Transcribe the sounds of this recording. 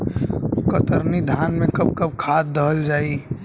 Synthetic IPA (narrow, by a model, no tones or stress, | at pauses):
kət̪əɾnid̪ʱaːnmẽkɐb̚kɐb̚kʰaːt̪̚d̪əɦəld͡ʒaːi